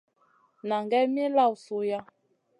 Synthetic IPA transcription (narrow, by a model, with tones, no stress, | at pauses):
na˨ŋɡɛ˦mi˦la˦˨u˨so˨ja˦